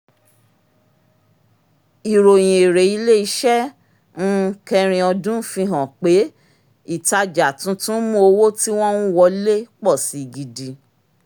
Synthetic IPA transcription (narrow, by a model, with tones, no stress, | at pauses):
i˨ɾo˨j̃ĩ˨e˨ɾe˨i˧le˦i˧˦ʃɛ˦ | ñ̩˦kɛ˧ɾ̃ĩ˧ɔ˧dũ˦fĩ˧ɦã˨k͡pe˨˦ | i˦˨ta˧d͡ʒa˨tũ˨˦tũ˦mũ˦o˧wo˦ti˦w̃ɔ̃˦nũ˦wɔ˧le˦k͡pɔ˦˨si˨ɡi˨di˨